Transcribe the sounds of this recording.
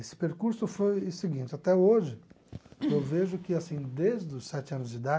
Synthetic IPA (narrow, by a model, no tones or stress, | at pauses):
esɪ̥peɾkuɾsʊfojsɪɡĩnt͡ʃɪat̪ɛoʒɪ | ewveʒʊkɪasĩd̪ezd̪ʊsɛt͡ʃɪɐ̃nʊzd͡ʒɪd̪a